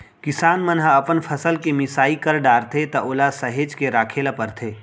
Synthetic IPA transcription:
kɪsaːnmənɦəɐpənpʰəsəlkemɪsaːikəɾɖaːɾt̪ʰet̪ɐʔoːlasɐɦeːd͡ʒkeɾaːkʰeːlapəɾt̪ʰeː

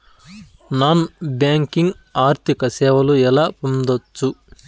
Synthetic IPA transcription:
naːnbjaːŋkiŋɡ | aːɾt̪ʰikɐsɛːʋɐluɛlaːpund̪ot͡ʃːu

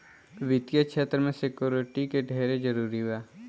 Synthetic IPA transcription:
ʋɪt̪jəkʃʰeːt̪ɾəmẽsekjoːɾɪʈikeɖʱeːɾed͡ʒɐɾuːɾiɦɛː

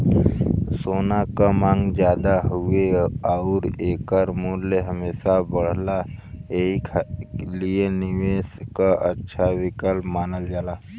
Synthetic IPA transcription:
soːnakamãːŋɡd͡ʒjaːd̪aɦueaʊɾeːkəɾmuːɾleɦəmeːsabəɽ̤laeːklienɪʋeːskaʔətːʃʰaʋɪkəlpmaːnəld͡ʒaːlaː

